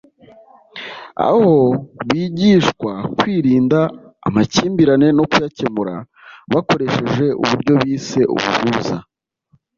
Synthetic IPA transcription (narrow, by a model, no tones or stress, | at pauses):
a̰ho̞βiːɟiːʃkwakwiːɾiːnda̰ːmaciːmbiɾane̞no̞kujace̞muɾa̰ | βako̞ɾe̞ʃe̞ʒe̞ʔṵβuɾɟo̞βiːse̞ʔṵβṵhuːza